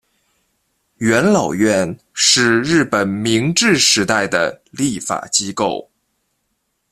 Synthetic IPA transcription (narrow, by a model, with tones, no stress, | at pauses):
ɥɛ˧˥nlɑ˨˩ʊɥɛ˥˧n | ʂɻ̩˥˧ɻɻ̩˥˩pə˨˩nmi˧˥ŋʈ͡ʂɻ̩˥˩ʂɻ̩˧˥t̪a˥˩ɪd̪ə̰˩li˥˩fa̰˨˩t͡ɕi˥ko˥˩ʊ